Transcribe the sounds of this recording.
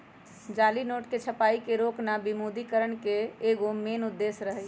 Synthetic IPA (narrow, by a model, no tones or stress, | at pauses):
d͡ʒaːlinoːʈket͡ʃʰəpaːikeɾoːknabimod̪ikəɾəɳkeːɡomeːnʊd̪ːeːsɾəɦɛ